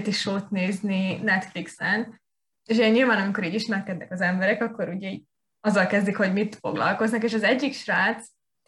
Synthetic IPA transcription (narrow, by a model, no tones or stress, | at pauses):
t̪iʃoːt̪neːzninɛt̪fliksɛn | eːʃ̬ɛɲɲilvaːnɒmiko̞ɾiːɟiʃmɛrkɛd̪nɛkɒzɛmbɛɾɛkɒkːo̞ɾuɟɛiːɟ | ɒzːɒlkɛzd̪ikho̞ɟmit̪fo̞̰ɡlɒ̰lko̞znɒkeːʃɒzɛɟːikʃraːt̪s